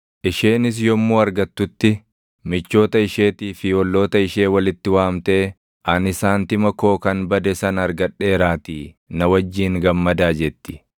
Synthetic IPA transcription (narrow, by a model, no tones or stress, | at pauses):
ʔɪʃe̞ːnɪs̬jɔmːuːɐɾɡɐt̪ːʊt̪ːɪ | mɪt͡ʃːo̞ːt̪ɐɪʃeːt̪iːfɪɔlːo̞ːt̪ɐɪʃe̞ːwɐlɪt̪ːɪwaːmt̪e̞ː | ʔɐnɪsaːnt̪ɪmɐko̞ːkɐnbɐd̪ɛsɐnɐɾɡɐᶑːe̞ːɾaːt̪iː | nɐwɐd͡ʒːiːŋɡɐmːɐd̪aːd͡ʒɛt̪ːɪ̥